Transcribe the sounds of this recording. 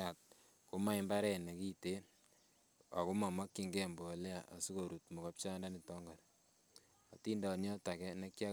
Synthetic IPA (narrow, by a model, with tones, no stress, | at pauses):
a˨t̚ | ku˦ma˦i˦mba˦ɾɛ˨ne˨ki˦te˦ | a̰˨ku˦ma˨ma˦kːi˨ŋɡɛ˦mbo˨le˦a˨ʔa̰˨su˦ko˨ɾu˨tmo˨ka˦p̚t͡ʃa˦nda˦ni˨tɔ˦ŋɡa˨ɾ | a˨ti˦ndɔ˨njɔ˦ta˨kɛ˦ne˦kja˦